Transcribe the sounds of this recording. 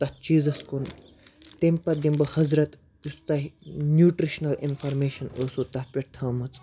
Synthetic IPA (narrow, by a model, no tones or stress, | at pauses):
t̪ɐt̪̚t͡ʃiːzɐskon | t̪empɐd̪imbɐhɐzɾɐt̪ | ust̪ɐɦnjuːʈɾiʃnɐlḭnfʰaːɾmeːʃɐnoːsuːt̪ɐt̪̚pʲeʈt̪ʰɐːmɐt͡s